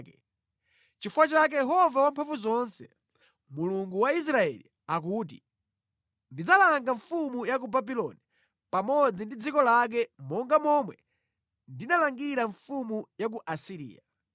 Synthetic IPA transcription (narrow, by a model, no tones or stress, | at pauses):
kɛ | t͡ʃifuwat͡ʃak̬ɛjɛɦɔvawampʰaɱvuzɔnsɛ | muluŋɡuwais̬ɾaɛ̰li | akuːt̬ḭ | ndid͡zalaŋɡaɱfumujak̬ubabilɔ̰ni | pamɔd͡zindid͡zikɔlak̬ɛmɔŋɡamɔmwɛ̰ | ndinalaŋɡiɾaɱfumujak̬uʔasiɾḭːja